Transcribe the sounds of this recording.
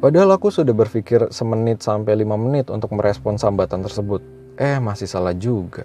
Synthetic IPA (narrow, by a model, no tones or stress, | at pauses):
padaɦalakusudahbərfikɪrsəmənɪt̪̚sampajlimamənɪt̪unt̪ʊk̚məɾʔɛspɔnsambat̪ant̪ərsəbʊt̪̚ | ʔɛhmasɪhsalahd͡ʒuɡa